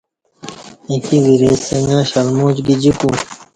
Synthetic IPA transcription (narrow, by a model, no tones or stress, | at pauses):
ekiwiɾeeŋɡãːɕɐlmoːt͡ɕɡid͡ʑiku